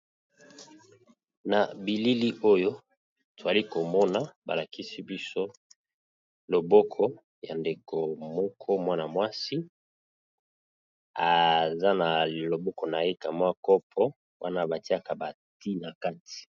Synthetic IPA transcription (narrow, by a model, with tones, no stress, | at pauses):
na˨bi˨li˦li˦ʔo˦jo˦ | to˨za˨li˦ko˨mɔ˦na˨ba̰˨la˨ki˦si˦bi˦so˦ | lo˨bɔ˦kʰɔ˦ | ja˨nde˨kʰo˨mɔ˦kʰɔ˦mwa˦na˨mwa˦si˦ | a˨za˦na˨lo˨bɔ˦kɔ˨na˨je˦ka˨mwa˦kɔ˦pʰɔ˦ | wa˦na˦˨ba˨ti˦a˦ka˨ba˨ | ti˦na˨ka˦ti̥˨